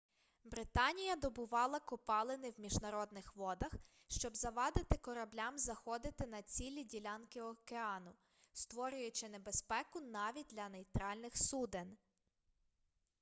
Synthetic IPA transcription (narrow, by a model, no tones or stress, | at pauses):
bɾɪt̪ɑnʲijɐd̪ɔbʊʋɑlˠɐkɔpɑlˠenɪwmʲiʒnɐɾɔd̪̚nɪxʋɔd̪ɐx | ʃt͡ʃɔbzɐʋɑd̪ɪt̪ɪkɔɾɐblʲamzɐxɔd̪ɪt̪ɪnɐt͡sʲilʲidʲilʲɑnkɪɔkeɑnʊ | st̪ʋɔɾʲʊjʊt͡ʃɪnebespɛkʊnɑʋʲit̚ʲd̪lʲɐnejt̪ɾɑlʲnɪxsud̪en